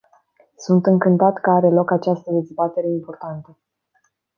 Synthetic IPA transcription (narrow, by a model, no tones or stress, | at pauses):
sunt̪ɨŋkɨnt̪at̪kəaɾe̞lo̞kat͡ʃast̪əd̪e̞zbat̪e̞ɾe̞impo̞rt̪ant̪ə